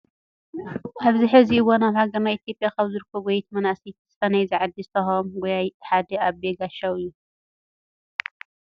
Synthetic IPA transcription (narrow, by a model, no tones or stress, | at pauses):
ʔaβziħɨziɨwonaβħaɡɐnajit̪ʰjo̞pʼjakɐβzɨɾɨkʰːoɡojt̪mɐnasit̪z̥ɨfɐnɐjzɨʕad̪ɨst̪ʰɐxomwɔjajħad̪ɛaβbeɡaʃawɨjːu